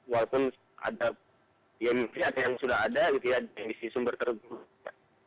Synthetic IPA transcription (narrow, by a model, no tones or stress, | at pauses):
walapʊn | a̰da | jamipiat̪jaŋsudaɦadaɡit̪ujadmbisisumbərt̪ərɡul | a